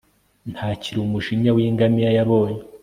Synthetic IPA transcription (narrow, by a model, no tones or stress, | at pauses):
nthaːciɾumuʒiɲawiːŋɡamijajaβo̞ːɲe